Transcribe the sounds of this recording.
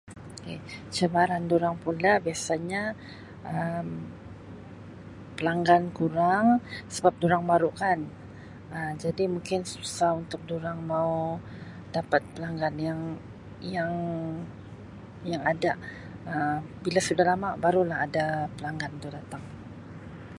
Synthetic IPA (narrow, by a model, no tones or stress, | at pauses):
oket͡ʃəbaɾanduɾaŋpunlahbiasaɲa | ʔəm | pəlaŋɡankuɾaŋsəbap̚duɾaŋbaɾuʔkan | əmd͡ʒadimuŋkɪnsuusaunt̪ʊk̚duɾaŋmau | dapat̪̚pəlaŋɡanjaŋ | jaŋ | jaŋada | əbilasudahlamaʔbaɾulahɦadapəlaŋɡant̪udat̪aŋ